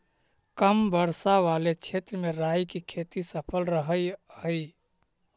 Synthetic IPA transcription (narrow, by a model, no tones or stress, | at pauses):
kəmbəɾsaʋalet͡ʃʰet̪ɾəmeɾaːjkikʰet̪isəpʰəlɾəɦəjhəi